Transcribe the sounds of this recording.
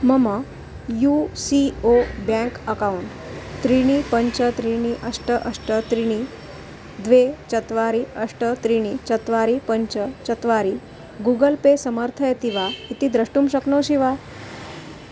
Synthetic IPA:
məmə | jusiobjãkəkawɳʈ | t̪ɾiɽ̃ipəɲt͡ɕət̪ɾiɽ̃iʔəʂʈəʔəʂʈət̪ɾiɽ̃i | d̪ʋet͡ɕət̪ʋaɾiəʂʈət̪ɾiɽ̃it͡ɕət̪ʋaɾipəɲt͡ɕət͡ɕət̪ʋaɾi | ɡuɡəlpesəməɾt̪ʰəjet̪iʋait̪iːd̪ɾəʂʈuːmɕəknoɕiʋa

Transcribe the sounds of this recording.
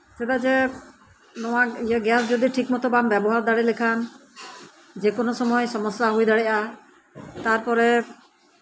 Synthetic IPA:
set̪ad͡ʒɛ | nɔwakijaɡɛsd͡ʒod̪iʈʰikmɔt̪ɔbambɛbɔɦaɾd̪aɽilekʰan | d͡ʒekonɔsɔmɔjsɔmɔsːaɦojd̪aɽɛʔa | t̪aɾpɔɾɛ

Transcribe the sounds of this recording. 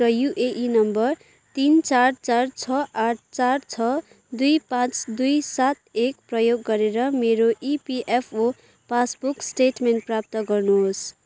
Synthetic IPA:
rʌjuʔeʔinʌmbʌr | t̪int͡sart͡sart͡sʰʌʔaʈ̚ʰt͡sart͡sʰʌ | d̪ujpãt͡sd̪ujsat̪ekprʌjoɡːʌɾeɾʌmeɾoʔipiʔepʰo | pasbuksʈeʈmenʈ̚prap̚t̪ʌɡʌrnuɦos

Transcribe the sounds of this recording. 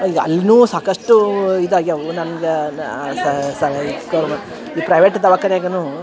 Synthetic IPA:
iɐ̰lːnuːsaːkɐʂʈuid̪ɐjɐnɐnɐɡessɐikoɾmɐ | ipɾɐjʋeːʈd̪ɐʋɐkːɐɾjaːɡɐnu

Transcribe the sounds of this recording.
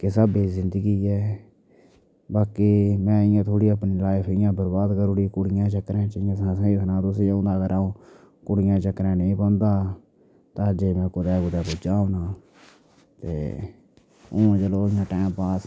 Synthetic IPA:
kɪsəbiːzɪnd̪əɡiːɛː | baːkiːmɛ̃ːɪjãːt̪ʰoːɽiːəpniːlaːɪpʰɪjãːbəɾbaːd̪kəɾuːɽiːkʊɽɪjãːt͡ʃəkɾɛ̃ːt͡ʃɪãːsãːsãːiːt̪ʰnãːt̪ʊs̬ɪʊ̃nd̪aːɡəɾaːũː | kʊɽɪjãːt͡ʃəkɾɛ̃ːnĩːbɔ̃ːnd̪aː | t̪ãːd͡ʒeːmɛ̃ːkʊd̪ɛːkʊd̪ɛːpʊd͡ʒaːɦoːnaː | t̪eː | õːt͡ʃəloːɪjãːʈɛːmpaːs

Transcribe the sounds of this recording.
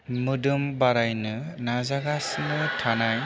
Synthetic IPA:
mɯdɯmbaɾajnɯ | nazaɡasnɯtʰanaj

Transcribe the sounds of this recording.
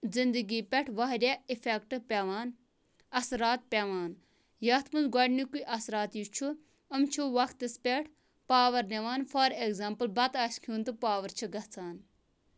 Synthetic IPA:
zind̪əɡiːpʲeʈʰʋɐɦɾʲeifekʈɨpʲeʋaːn | ɐsɾaːt̪̚pʲeʋaːn | jɐːt̪ʰmunzɡɐɖʲnikuiʔɐsɾaːt̪jut͡ʃʰu | əmt͡ʃʰuʋɐkt̪ɨspʲeʈʰ | paːʋɐɾneʋaːnfaːɾekzaːmpəlbɐt̪aːʃkʰuːnt̪ɨpaːʋɐɾt͡ʃʰɨɡɐt͡sʰaːn

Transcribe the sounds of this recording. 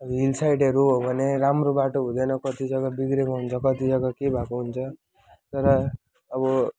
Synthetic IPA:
ɦilsajʈʌɾuɦobʱʌneɾamrobaʈoɦũd̪ʌjnʌkʌt̪id͡zʌɡabiɡɾemaɦunt͡sʰʌkʌt̪id͡zʌɡakebʱakuɦunt͡sʰʌ | t̪ʌɾʌː | βʌ

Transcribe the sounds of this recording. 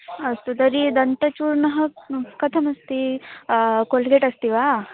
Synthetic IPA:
ɐst̪ud̪ɐɾid̪ɐnt̪ɐt͡ʃuːɾnɐɦɐkɐt̪ʰɐmɐst̪i | kolɡeʈɐst̪iʋaː

